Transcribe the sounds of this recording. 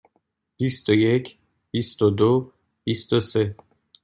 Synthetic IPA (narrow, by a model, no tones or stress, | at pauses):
b̥ist̪ojecʰ | b̥ist̪od̪o | b̥ist̪ose